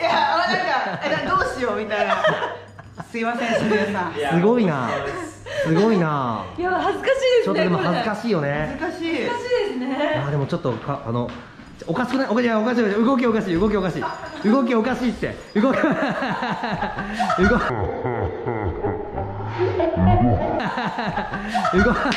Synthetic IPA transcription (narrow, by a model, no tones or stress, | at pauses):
jamaakad̪oːɕijomʲit̪ana | sɨimasẽsoasɨɡo̞ina̰ | sɨɡo̞inajaɦazɨkaɕiːd̪est͡ɕot̪nod̪emɦ̪azɨkaɕiːjo̞neazɨkaɕiːɕiːd̪esɨneaːd̪e̞mo̞t͡ɕo̞t̪ːokʰaano | okaɕi̥kɯ̟naiʔokaɕiaokaɕ̬iːokiɯ̟ɡo̞k̬ʲio̞kaɕiːɯ̟ɡo̞k̬ʲio̞kaɕḭːɯ̟ɡo̞k̬ʲio̞kaɕi̥ːt̪ːḛ | ɯ̟ɡok | ɯɡo | ɯ̟ɡo